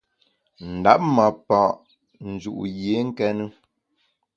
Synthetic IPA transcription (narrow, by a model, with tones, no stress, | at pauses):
n̩˨da˦p̚ma˨pɔ̃˨ʔ | n̩˨d͡ʒṵ˨ʔje˨˦ŋ̩˦kɛ˦nə˦